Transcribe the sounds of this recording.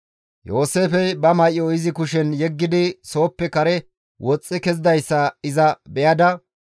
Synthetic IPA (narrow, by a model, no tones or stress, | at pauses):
jo̞ːse̞ːfɛjbɐmɐʔɪɔɪzɪkʊʃɛnjɛɡːɪd̪ɪso̞ːpːɛkɐɾɛ | wɔt͡sʼːɪkɛzɪd̪ɐjsːɐɪzɐbɛjɐd̪ɐ